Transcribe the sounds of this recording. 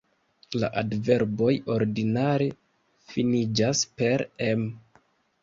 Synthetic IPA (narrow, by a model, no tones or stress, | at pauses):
la̰ʔadve̞ɾbo̞jo̞ɾdinaɾe̞ | finid͡ʒaspe̞ɾem